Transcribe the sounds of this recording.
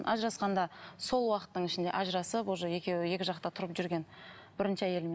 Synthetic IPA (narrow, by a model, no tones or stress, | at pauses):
ʔɑ̰ʒɾɑsqɑnd̪ɑso̞lˠwɑqət̪ːəɴɪʃɪnd̪e̞̰ʔɑʒɾɑsəpwoʒəje̞kʲe̞wɪje̞kʲɪʒɑqt̪ɑt̪ʰʊɾəpʒʏɾɡʲe̞nb̥ɪɾɪnʃɪæje̞lme